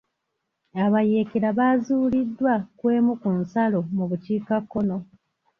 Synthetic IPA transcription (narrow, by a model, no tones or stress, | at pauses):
aβaje̞ːkeɾaβazuːlidːwakwe̞ːmukunsalo̞muβuciːkakːo̞no̞